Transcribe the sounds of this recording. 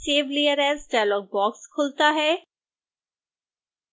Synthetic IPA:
seːʋlijəɾɛsɖajlɔːɡ̚bɔːkskʰʊlt̪aɦɛː

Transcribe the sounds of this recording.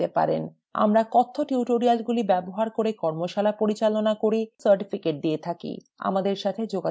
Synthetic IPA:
epa̰ɾḛn | a̰mɾakɔt̪ʰːoʈiuʈoɾialɡulibɛboɦaɾkoɾekɔɾmoʃalapoɾit͡ɕalonakoɾisəɾʈifikeʈ̚d̪iet̪ʰakḭ | a̰mad̪eɾʃat̪ʰed͡ʑoɡa

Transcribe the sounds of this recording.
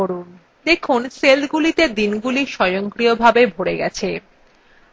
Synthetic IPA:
oɾun | d̪ekʰunselɡulit̪ed̪inɡuliʃɔjoŋkɾiobʱabebʱoɽeɡɛt͡ɕʰe

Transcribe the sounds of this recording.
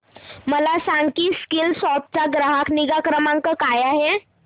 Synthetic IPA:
məlasaŋɡkiːskilsɔp̪̚t͡ɕaɡɾaɦakniɡakɾəmãŋkəkajaɦe

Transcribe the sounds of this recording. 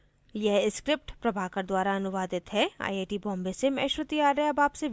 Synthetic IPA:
jɛɦɪskɾɪp̚ʈpɾɐbʱaːkɐɾd̪waːɾaɐnʊʋaːd̪ɪt̪ɦɛa̰ːieːʈibɔ̃ːmbesemɛ̰̃ːʃɾʊt̪iaːɾɐɦɛɐbaːpse

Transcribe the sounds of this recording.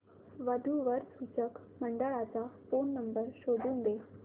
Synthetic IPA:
ʋəd̪ʱuʋəɾsut͡ɕək | məɳɖəɭat͡safonːəmbəɾɕod̪ʱuːnɡ̪e

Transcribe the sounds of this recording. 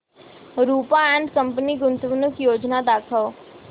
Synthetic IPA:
ɾuːpaɛ̃ːɳɖkɐ̃mpəniɡʊnt̪ʋnʊkjoːd͡ʒnad̪aːkʰəl

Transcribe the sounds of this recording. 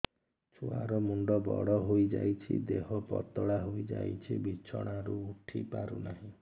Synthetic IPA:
t͡ʃʰuaɾɔmuɳɖɔbɔɽɔɦojd͡ʒajt͡ʃʰid̪eɦɔpɔt̪ɔɽaɦojd͡ʒajt͡ʃʰibit͡ʃʰɔɽ̃aɾuːʈʰipaɾunaɦĩ

